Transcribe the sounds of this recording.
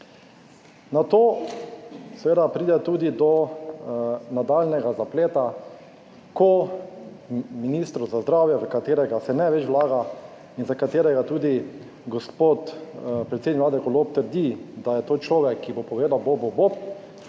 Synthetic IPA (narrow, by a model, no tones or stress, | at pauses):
nat̪oː | sɛʋeːd̪apɾiːd̪ɛt̪uːd̪id̪ɔ | nad̪aːlnɛɡazapleːt̪a | kɔ | minist̪ɾuzazd̪ɾaːwjɛzakat̪eːɾɛɡasɛnɛʋɛt͡ʃʋwlaːɡa | inzakat̪eːɾɛɡat̪uːd̪i | ɡɔspot̪pɾɛt̪sed̪niklaːd̪ɛkɔloːp̚t̪əɾd̪id̪ajɛt̪oːt͡ʃlɔːʋɛkʰːibopɔʋeːd̪awbobobop̚